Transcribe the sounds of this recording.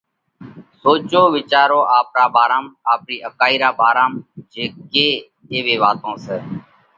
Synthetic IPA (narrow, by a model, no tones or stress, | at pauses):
soːt͡ʃoːʋɪt͡ʃaːɾoːʔaːpɾaːbaːɾãːmaːpniːʔəkaːiːɾaːbaːɾaːmd͡ʒeːeː | eːʋeːʋaːt̪õːseː